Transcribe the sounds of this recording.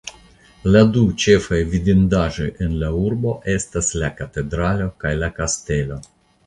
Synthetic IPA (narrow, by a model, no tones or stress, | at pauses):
ladut͡ʃe̞fajvid̪indaʒo̞je̞nlauɾbo̞ʔe̞staslakate̞dɾalo̞kajlakaste̞lo̞